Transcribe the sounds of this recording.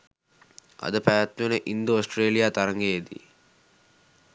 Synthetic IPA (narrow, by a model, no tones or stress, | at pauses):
ɐ̰d̪əpæjat̪nuenəʔind̪oosʈreːlijaːt̪aɾɐŋɡeed̪ḭ